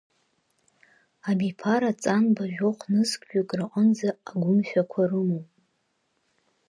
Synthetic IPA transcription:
abipʰaɾat͡sʼanbaʒᶣoqʷʰnɨzkʼʒᶣʼakʼrɨqʼənd͡zaːɡʷʊmʃᶣakʷʰarɨmowpʼ

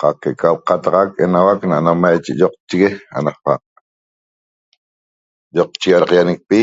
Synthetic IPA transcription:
qɑqkekalqat̪aʁakenawaknanamajt͡ʃeʔjoq̚t͡ʃiɣea̰naqpa̰ | joq̚t͡ʃiɣaɾaqjanek̚pi

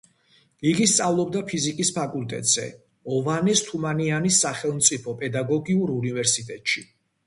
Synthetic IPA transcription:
iɡist̪sʼavlˠɔbd̪apʰizikʼispʰakʼult̪ʼɛ̰t̪ʼz̥ɛ̰ | ɔvanɛst̪ʰumanianisːaχɛlˠmt̪sʼipʰɔpʼɛd̪aɡɔɡiuɾunivɛɾsit̪ʼɛt̪ʼʃi

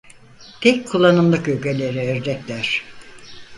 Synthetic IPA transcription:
t̪ʰɛc̚kʰulˠːanɯmlˠɯkylʲcʰelʲeɾiøɾd̪ɛclʲæɾ̥

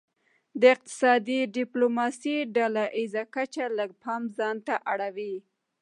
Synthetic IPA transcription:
d̪əɪq̚t̪ɪ̥sɑd̪iɖɪplomɑsiɖalaʔizakat͡ʃaləɡ̚pʰamzɑnt̪aʔaɽawi

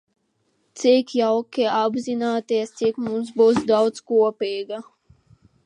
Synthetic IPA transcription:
t̪sikjawkʲiɛabzinaːt̪iɛst̪sikmums̬buːsd̪awd̪skuɔpiːɡa

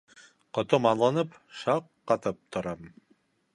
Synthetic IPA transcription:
qŏt̪omɑnlˠɑnɤp | ʃɑqːɑt̪ɤp̚t̪ʰŏɾɑm

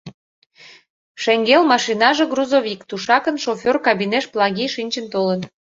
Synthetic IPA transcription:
ʃeŋɡelmɑʃinɑʒeɡruzoβʲikt̪uʃɑkənʃofʲorkɑbineʃplˠɑɣiʃinʲt͡ɕənt̪olən

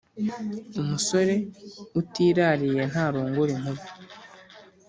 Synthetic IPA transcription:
umuso̞ɾe̞utiːɾaːɾije̞n̥haːɾoːŋɡuɾin̥huβi

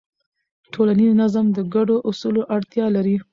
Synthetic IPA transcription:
ʈʰolaniznazamd̪əɡaɖoʔʊsuloʔaɽt̪jɑlaɾi

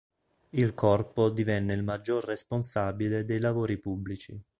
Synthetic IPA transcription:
ilkʰɔrpod̪ivɛnːeilmad͡ʒːorːesponsaːbiled̪ejlavoːɾipubːlit͡ʃi

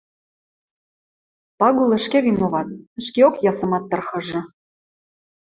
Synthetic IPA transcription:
pɑɣulə̆ʃkeβinoβɑt̪̚ə̆ʃkeokjɑsɤ̆mɑt̪ːɤ̆rxɤ̆ʒɤ̆

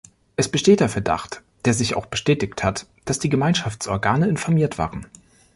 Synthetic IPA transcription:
ʔɛsb̥əʃteːt̚d̥eːɐfɛɐda̰χt | d̥eːɐzɪça̰ʊxb̥əʃtɛːtɪçthat | d̥asd̥iːɡəmaɪnʃaft͡sʔɔɐɡaːnəɪnfɔɐmiːɐtv̥a̰ːʁən

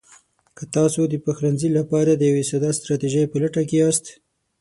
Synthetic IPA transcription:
kət̪ɑsod̪əpaxɾanzilapɑɾad̪əjawesad̪ɑst̪ɾɑt̪iʒəjpəlaʈakeɑst̪

